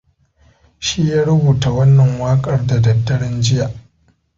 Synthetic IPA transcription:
ʃiː˦jaː˦ɽʊ˦buː˨ta˨wɐ˦nːɐ˨ŋwaː˦kʼɐ˦rda˨dɐ˨dːɐ˦ɽɪ˦nd͡ʒɪ˦jaː˨ʔ

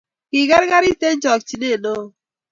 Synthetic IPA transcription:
ki˨ɡa˦ɾɡa˦ɾi˦te˦d͡ʒɔ˨kt͡ʃi˨ne˦˨no˦

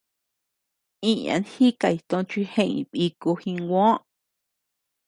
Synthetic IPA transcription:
ĩ˦ã̰˨˧nhi˦ka˧˨i˨t̪õ˧t͡ʃʷi˧hẽ˦˧˨ḭ̃˧˨ɓi˧ku˧hĩ˧ŋɡʷõ˦ʔ

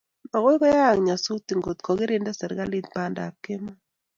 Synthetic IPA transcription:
a˨ɣɔ˦kɔ˦ja˦˨ŋɲa˨su˦t̪i˨ŋɡo˨t̪kɔ˨ɡɪ˦ɾe˦nda˦sɛ˨ɾɡa˦li˦t̪pa˨nda̰˨ke˦ma˦

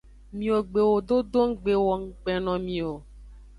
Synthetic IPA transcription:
mĩ˨o˨ɡ͡be˨wo˨ɖo˦do˦ŋ̩˦ɡ͡be˨wɔ˨ŋ̩˦ɡ͡bɛ˨nɔ̃˨mĩ˨o˨

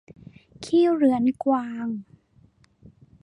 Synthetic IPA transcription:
kʰiː˥˩wɾɯ˩˦nkwaː˧ŋ

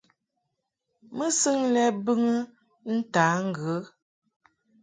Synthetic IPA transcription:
mə˦sɨ˦ŋlɛ˦bɨ˦ŋə˦ | n̩˦ta˨˦ŋ̩˦˨ɡə˨˦

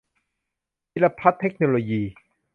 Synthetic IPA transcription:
i˧˥la˧pʰa˦˥t̪ʰːe˦˥k̚noː˧loː˧jiː˧

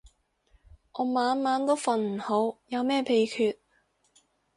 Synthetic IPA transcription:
ʔɔː˨˧maː˨˧˥nmaː˨˥nt̪o˥wfɐ˨nm̩˨˩ho˨˥wjɐ˨˧wmɛː˥˩pʰe˧jkʰyː˧t̚

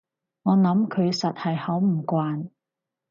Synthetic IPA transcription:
ŋɔː˨˧nɐ˨˧˥mkʰɵ˨˧ɥsɐ˨t̚hɐ˨jhɐ˨˥wm̩˨˩kʷaː˨˧n

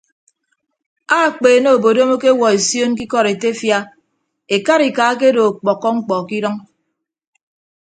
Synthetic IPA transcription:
a˦˨k͡peː˨no˦˨o˨bo˨do˦mo˦ke˦wɔ˨e˨sjo˦nk̬i˦kɔ˦ɾe˨te˦fja˦ | e˨ka˦ɾi˨ka˨˦ke˦do˨k͡pɔ˨kːɔ˦ŋ͡m̩˦k͡pɔ˨ki˦ɾɔ˦ŋ

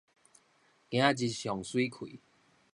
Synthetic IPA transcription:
kj̃ã˦t͡ɕi˧˩ɕjɔ˨ŋswi˦kʰḭ˨˦

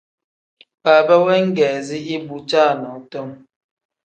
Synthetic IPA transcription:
pa˨bə˦wɛ˦ŋ̩˦ɡɛː˨zi˦i˦bu˨t͡ʃa˦˨nɔ˨˦tɔ˦m

